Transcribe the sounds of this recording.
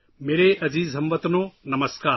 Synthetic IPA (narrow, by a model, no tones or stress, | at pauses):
meːɾeʔɐziːzɦɐ̃mʋɐt̪ɐnoːnɐmɐskaː